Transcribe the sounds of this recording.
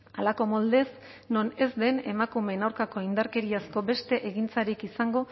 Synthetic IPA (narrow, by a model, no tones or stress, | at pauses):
alako̞mold̪e̞s | no̞ne̞zd̪e̞ne̞makume̞nawɾkako̞ind̪aɾke̞ɾiasko̞be̞st̪e̞ʔeɣint͡saɾikisaŋɡo̞